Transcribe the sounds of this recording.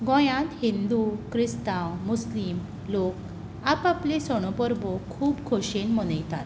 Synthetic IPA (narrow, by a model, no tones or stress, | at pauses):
ɡɔ̃jãt̪hind̪ukɾist̪ãwmuslim | lok̚ | apaplesɔɽ̃ɔpəɾbɔkʰuːpkʰoɕenmɔnəjt̪at̪